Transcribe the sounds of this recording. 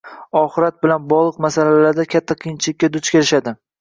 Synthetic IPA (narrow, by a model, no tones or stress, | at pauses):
ɒχɨɾat̪̚bɪlanbɒʁlˠɨqmasalalaɾd̪akʲʰat̪ʰːaqʰɨjɪnt͡ʃʰɪlɪkʲːad̪ʊt͡ʃkʲʰe̞ɾɪʃad̪ɪ